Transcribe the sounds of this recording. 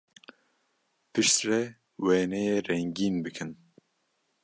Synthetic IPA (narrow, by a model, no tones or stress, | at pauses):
pʰɨʃt̪rɛ | wɛːnɛjerɛŋɡiːnbɨkʰɨn